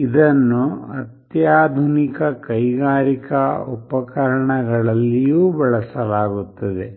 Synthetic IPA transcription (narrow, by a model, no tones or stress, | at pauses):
id̪ɐnːuɐt̪jaːd̪ʱunikɐkɐjɡaːɾikɐopɐkɐɾɐɳɐɡɐɭɐlːijuːbɐɭɐsɐlaːɡut̪ːɐd̪e̞